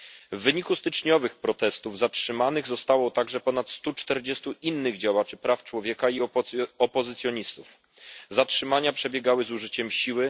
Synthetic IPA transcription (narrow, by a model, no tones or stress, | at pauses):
vːɘɲikust̪ɘt͡ʂɲɔvɘxpɾɔt̪ɛst̪uvzatʂɘmanɘɣzɔst̪awɔt̪aɡʐɛpɔnat̪st̪ut͡ʂt̪ɛɾd͡ʑɛst̪uʔinːɘɣd͡ʑawat͡ʂɘpɾaft͡ʂwɔvʲjɛkaiɔpɔzɘt̪sʲjɔɲist̪uf | zatʂɘmaɲapʂɛbʲjɛɡawɘzuʐɘt͡ɕɛmɕiwɘ